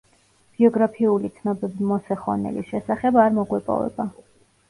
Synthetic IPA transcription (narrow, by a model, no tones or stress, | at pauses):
b̥iɔɡɾapʰiulit̪sʰnɔbɛbimɔsɛχɔnɛ̰lḭsʃɛsaχɛbaɾmɔɡwɛpʼɔ̰vɛ̰ba